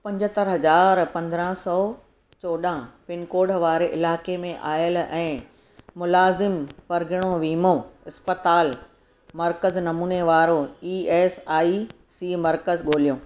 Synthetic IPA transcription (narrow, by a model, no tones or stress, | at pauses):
pɐ̃ɲd͡ʑt̪əɾɦɐzaːɾpɐ̃nd̪ɾãsɔː | t͡ɕoːɗãpɪnkoːɽʋaːɾeʔɪlaːkemẽʔaːjəlɛ̃ː | mʊlaːzɪmpɐɾɡʱɪɽ̃oʋiːmõɪspət̪aːl | mɐɾkəznɐmuːneʋaːɾoiːɛːsaːi | siːmɐɾkəzɠoːlijõː